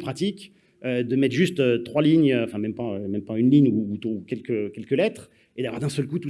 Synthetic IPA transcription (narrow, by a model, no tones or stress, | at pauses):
pχat̪ikʲ | ød̪əmɛt̪ʒyst̪øt̪χwaliɲøɑ̃fɛ̃mɛmpaømɛmpaynliɲuːt̪ːkʲɛlkəkʲɛlkəlɛt̪χ | ed̪avwa̰ʁd̪ɛ̃sœlkut̪u